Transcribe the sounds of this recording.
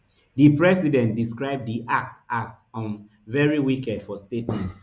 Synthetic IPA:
ðɨpɹɛsidɛ̃ntdiskɹaɪb̚diʔak̚tas | ɔ̃n | vɛɹiwikɛdfɔstetmɛ̃nt

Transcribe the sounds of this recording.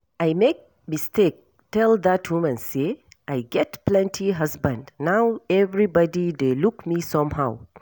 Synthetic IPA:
ajmek̚ | mistek̚ | tɛld̪athumə̃nse | ʔajɡɛtplɛ̃ntʰiɦasbə̃ndnawevɾibɔdid̪elukmisʌ̃mɦa̰w

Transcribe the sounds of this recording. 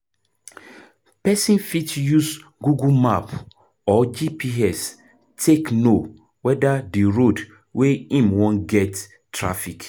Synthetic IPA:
pɛsĩnfitjusɡuɡumap | ɔd͡ʒipiɛs | tʰekno | wɛdadiɹod | weĩmwɔ̃nɡɛtː | ɹa̰fik

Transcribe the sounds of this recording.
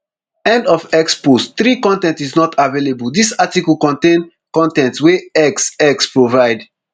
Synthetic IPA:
ɛ̃ndɔfɛkspostθɹikɔ̃ntɛ̃ntiznɔtʰavelebəldisatikɔlkɔ̃ntẽn | kɔ̃ntɛ̃ntsweɛksɛkspɹovaɪd

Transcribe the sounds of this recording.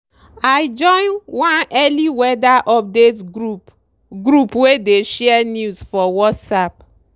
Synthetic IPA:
ajd͡ʒɔ̃ɪ̃nwãnɛliwɛdaʔɔp̚detu | ɡɾupwedeʃɛɛnjusfɔwɔtsap

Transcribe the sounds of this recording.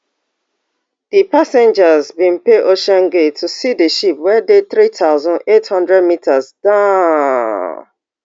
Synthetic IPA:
dipasɛ̃nd͡ʒazbĩnpeʔoʃɔ̃nɡetʰusideʃipwɛdeθɹitʰaʊzɔ̃nethʌ̃ndɹɛd̚mitʰazdã

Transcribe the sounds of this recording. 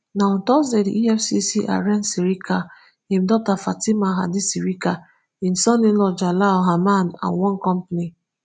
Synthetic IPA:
nantɔzediʔiɛfsisiʔa̰ɾɛnsiɾika | him̩dɔtafatimaɦa̰disiɾika | in̩sɔnilɔd͡ʒalaɔɦamana̰nwɔ̃nkɔmpni

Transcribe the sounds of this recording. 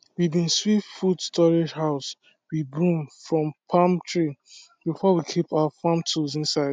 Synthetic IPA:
wibĩnswitfudstɔɹed͡ʒhaʊs | wibũmfɹɔ̃mpʰãmtʰɹi | bifɔwikʰipaafãmtʰuzĩnsaɪd

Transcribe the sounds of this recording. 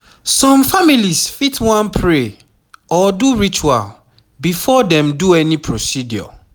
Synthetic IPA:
sɔ̃mfamilisfitʰwãnpʰɹe | ɔduɹit͡ʃua̰l | bifɔdɛ̃mduɛnipʰɹosidjɔ̰

